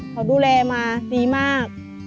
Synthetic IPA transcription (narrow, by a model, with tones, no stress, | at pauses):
kʰɔː˨˩duː˧˩lɛː˧maː˧siː˧maː˥˩k̚